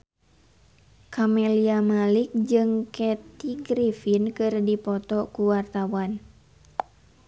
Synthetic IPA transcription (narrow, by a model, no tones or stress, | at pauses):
kʰamɛliamalik̚d͡ʒɨŋkɛt̪iɡɾifinkɨrdipɔt̪ɔkuwart̪awan